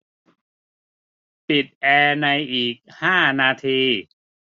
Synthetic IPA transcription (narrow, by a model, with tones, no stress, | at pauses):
pi˨˩t̪̚ʔɛː˧na˧jʔiː˨˩k̚haː˥˩naː˧t̪ʰiː˧